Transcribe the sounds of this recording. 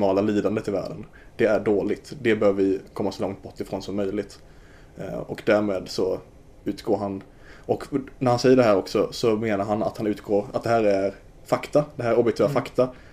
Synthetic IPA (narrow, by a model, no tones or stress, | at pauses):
mɑːlaliːd̪and̪ət̪ʰːɪlvæ̰ːɖən | d̪̥ɛæɖoːlɪɡ̚t̪d̪ɛbøːvvɪkʰɔmːasɔlɔŋt̪̚bɔʈːɪfɾoːnsɔmːœjlɪɡt̪ | ɔkd̪æɾmeːd̪sɔ | ʉ̟ːt̪ɡ̥oːɾɦan | ɔknæɾhansɛjːəɖɛɦæːɾɔksɔsɔmeːnaɾɦana̰t̪hanʉ̟ːt̪ɡ̥oːɾa̰t̪̚d̪ɛɦæːɾæɾ | fakt̪ad̪ɛɦæːɾæɾɔbjɛk̚t̪ɛafakt̪a